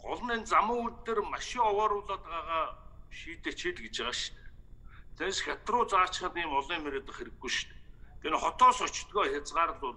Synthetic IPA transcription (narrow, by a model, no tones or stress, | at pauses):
ɢɔɮ̆nent͡samə̆ŋunt̪ĕrmaʃɪ̆kɔwɔːɾʊːɮaːt̪ɢaːʁaːʃiːt̪et͡ɕʰiɮɡet͡ɕʁaːʃt̪ː | t͡sʰensxʲat̪rʊːt͡saːt͡ɕχə̆t̪iːmɔɮiːmeɾeːt̪ə̆χxeɾɘ̆ɡːujʃt̪t̪ʰenχɔt̪ɔːsʊt͡ɕt̪ɡɔːxʲat͡sʁaːɾə̆ɮʊː